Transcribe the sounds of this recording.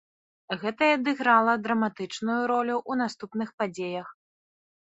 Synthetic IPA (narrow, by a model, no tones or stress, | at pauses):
ɣɛt̪ɐad̪ɨɣɾalˠɐd̪ɾɐmat̪ɨt͡ʂnujuɾɔlʲuʔun̪ast̪upnɨxpad͡zʲejɐx